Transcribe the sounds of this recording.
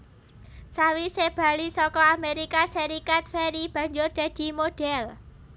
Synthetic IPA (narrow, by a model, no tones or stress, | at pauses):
sawiseb̥a̤lisɔkɔameɾikaseɾikat̪̚fɛɾib̥a̤ɲd͡ʒʊrd̪̥ä̤d̪̥i̤mod̥ɛl